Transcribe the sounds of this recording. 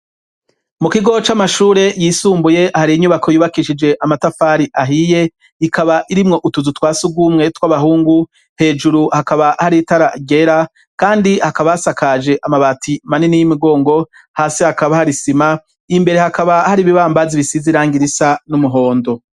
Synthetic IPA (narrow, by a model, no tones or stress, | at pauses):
mukiɡo̞t͡ʃamaʃuːɾe̞jiːsuːmbuje̞haɾiiɲuβakʰo̞juːβakiʃid͡ʒe̞ʔamatafaːɾiʔaɦije̞ | ikaβaʔiɾimŋo̞ʔutuzutwaːsuɡwumŋe̞twaβaɦuːŋɡu | he̞ːd͡ʒuɾuhakaβahaɾitaɾaɡe̞ɾa | kaːndihakaβasakad͡ʒe̞ʔamaβatʰimaninijimiɡo̞ːŋɡo̞ | haːsihakaβahaɾisima | imbe̞ɾe̞hakaβahaɾiβiβaːmbaziβisiziɾaːŋɡiɾisanumuɦo̞ːndo̞